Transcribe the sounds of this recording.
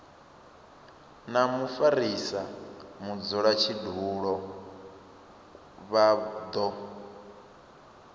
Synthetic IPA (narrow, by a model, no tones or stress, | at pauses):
namufaɾisamud͡zɔɺat͡ʃʰiduːɺɔ | βad̪ɔ